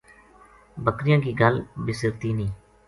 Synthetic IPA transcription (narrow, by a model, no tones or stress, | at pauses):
bəkɾɪjãːkiːɡəlbɪsɪɾt̪iːnĩː